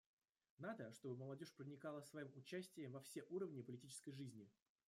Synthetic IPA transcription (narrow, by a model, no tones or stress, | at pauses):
nad̪əʂt̪o̞bɨməlˠɐdʲoʂpɾənʲɪkalˠəsvɐjimʊt͡ɕæsʲtʲɪjəmvɐfsʲe̞ʔuɾəvnʲɪpəlʲɪtʲit͡ɕɪskəjʐɨzʲnʲɪ